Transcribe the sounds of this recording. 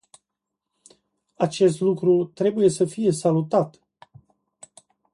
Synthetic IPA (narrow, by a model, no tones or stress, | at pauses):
at͡ʃe̞s̬t̪lukɾut̪ɾe̞buje̞səfije̞salut̪at̪